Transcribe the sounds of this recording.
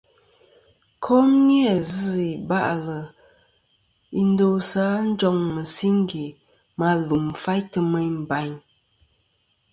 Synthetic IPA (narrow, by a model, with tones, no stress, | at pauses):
kʰɔ˦mjə˨zɨ˦i˨ba˦ʔlə˨ | i˨n̩˦do˦sa˨˦n̩˦d͡ʒɔ˦ŋmə˨si˦ŋ˦ɡi˨ | ma˦lu˨mfa˦jtə˦mə˦ɲm̩˨ba˨˦ɲ